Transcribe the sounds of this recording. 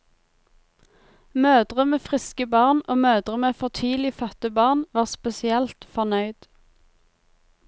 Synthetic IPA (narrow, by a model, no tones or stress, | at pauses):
møːd̪ʁəmeːfʁɪskəbɑʁnʔoːmøːd̪ʁəmeːfɔt̪ʰyːlɪfœt̪əbɑːʁnʋɑːʁspɛsɪɛlt̪fɔʁnœʏd̪̥